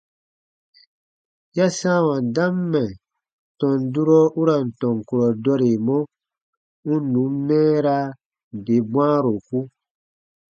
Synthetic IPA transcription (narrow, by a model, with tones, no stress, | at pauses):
ja˦sãː˦wã˨n˨dã˦mːɛ˨ | tɔ̃˨n˨du˦ɾɔ˦u˦ɾã˨n̩˨tɔ̃˨ŋ˨ku˨ɾɔ˨dɔ˦ɾe˨mɔ̃˦ | ŋu˦nũ˨˦mː˦ɛ̃ː˦ɾa˦˨ | de˨bw̃ãː˦ɾo˨ku˦